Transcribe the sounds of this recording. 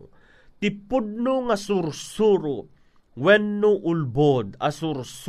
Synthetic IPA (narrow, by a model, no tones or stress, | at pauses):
t̪ɪpʊd̪̚nʊŋasʊɾsuɾʊ | wɛnːʊʔʊlbod̪asʊɾs